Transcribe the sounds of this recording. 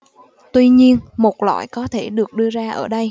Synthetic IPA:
t̪wi˧ɲi˧ənmo˨˩t̚la̰ː˧˨jkɔ˨˦t̪ʰe˧˩ɗɨ˨˩ək̚ɗɨ˧əzaː˧ʔəː˧˩ɗə˧j

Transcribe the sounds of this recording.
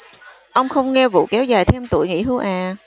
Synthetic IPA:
ʔə˧wŋ͡mxə˧wŋ͡mŋɛ˧vṵ˧˨kɛ˨˦wzaː˨˩jt̪ʰe˧mt̪ṵ˧˩˨jŋḭ˧˥hɨ˧wʔaː˨˩

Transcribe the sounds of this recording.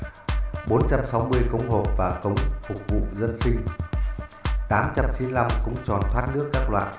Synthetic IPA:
ɓo˨˦nt͡ɕa˧msa˨˦wmɨ˧əjkə˨˦wŋ͡mɦo˨˩p̚vaː˨˩kə˨˦wŋ͡mfʊ˨˩k̚vṵ˧˨zə˧nsï˧ŋ̟ | t̪aː˨˦mt͡ɕa˧mt͡ɕi˨˦nla˧mkʊ̰˧˥ŋ͡mt͡ɕɔ˨˩nt̪ʰwaː˦˥t̚nɨ˦˥əkːaː˦˥k̚lwa̰ː˧˨nʔ

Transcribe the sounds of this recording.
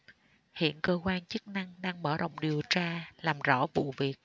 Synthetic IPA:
hḭ˧˨ənkəː˧kwaː˧nt͡ɕɨ˦˥k̚na˧ŋɗaː˧ŋɓəː˧˩ɗə̰˧˨wŋ͡mɗi˨˩əwt͡ɕaː˧laː˨˩mzɔ˧˥vṵ˧˨vi˨˩ək̚

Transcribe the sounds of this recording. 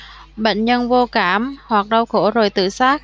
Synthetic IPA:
ɓə̰˧˨jŋ̟ɲə˧nvo˧kaː˧˩mhwa˨˩k̚ɗə˧wxo˧˥zo˨˩jt̪ɨ̰˧˨saː˦˥k̚

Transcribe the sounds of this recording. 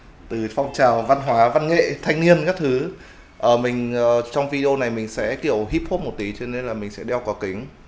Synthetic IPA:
t̪ɨ˨˩fɔ˧wŋ͡mt͡ɕaː˨˩wva˧nɦwaː˨˦va˧nŋḛ˧˨t̪ʰa˧jŋ̟ni˧ənkaː˦˥k̚t̪ʰɨ˨˦ | ʔəː˧˩mï˨˩ŋ̟əː˨˩t͡ɕɔ˧wŋ͡mvi˧ɗe˧o˧na˨˩jmï˨˩ŋ̟sɛ̰˧˥ki˧˩əwɦi˦˥p̚ho˦˥mo˨˩t̚t̪i˨˦t͡ɕɔ˧ne˧nlaː˨˩mï˨˩ŋ̟sɛ̰˧˥ɗɛ˧wkɔ˨˦kï˨˦ŋ

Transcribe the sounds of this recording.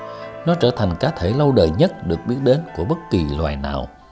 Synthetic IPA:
nɔ˨˦t͡ɕəː˧˩t̪ʰa˨˩ŋ̟kaː˨˦t̪ʰe˧˩lə˧wɗəː˨˩jɲə˦˥t̚ɗɨ˨˩ək̚ɓi˦˥ət̚ɗe˨˦nku˧˩əɓə˦˥t̚ki˨˩lwaː˨˩jna̰ː˨˩w

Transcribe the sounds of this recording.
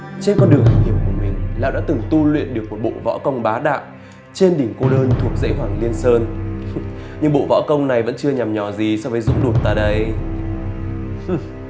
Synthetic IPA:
t͡ɕe˧nkɔ˧nɗɨ˨˩əŋʔa˨˩ŋhi˧˩əmku˧˩əmï˨˩ŋ̟la̰ː˧˨wɗa̰ː˧˥t̪ɨ˨˩ŋt̪u˧lwḭ˧˨ənɗɨ˨˩ək̚u˨˩t̚ɓo̰˧˨vɔ̰˧˥kə˧wŋ͡mɓaː˨˦ɗa̰ː˧˨wʔ | t͡ɕe˧nɗï˧˩ŋ̟ko˧ɗəː˧nt̪ʰu˨˩ək̚zḛ˧˥ɦwaː˧˩ŋli˧ənsəː˧n | ɲɨ˧ŋɓo̰˧˨vɔ̰˧˥kə˧wŋ͡mna˨˩jvə̰˧˥nt͡ɕɨ˧əɲa˨˩mɲɔ˨˩zi˨˩sɔ˧vəː˨˦jzʊ̰˧˥ŋ͡mɗu˨˩t̚t̪a̰ː˧˩ɗə˧j

